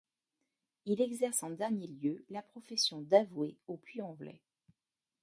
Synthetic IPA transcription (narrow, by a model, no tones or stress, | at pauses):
ilɛɡzɛʁsɑ̃d̪ɛʁnjeljølapχɔfɛsjɔ̃d̪avweoplyɑ̃vlɛ̰